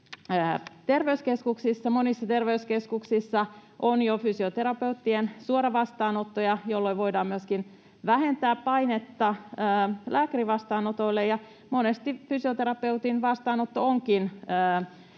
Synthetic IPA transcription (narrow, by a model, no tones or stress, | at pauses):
əːt̪erʋeyskeskuksisːɑmonisːɑt̪erʋeyskeskuksisːɑʔonjofysiot̪eɾɑpe̞ut̪ːiensuoɾɑʋɑst̪ɑːnot̪ːojɑjolːoiʋo̞idɑːmmyøskin | ʋæhent̪æːppɑinet̪ːɑəːlʔæːkæriʋɑst̪ɑːnot̪oilːejɑ | monest̪ifysiot̪eɾɑpe̞ut̪inʋɑst̪ɑːnot̪ːooŋkinəː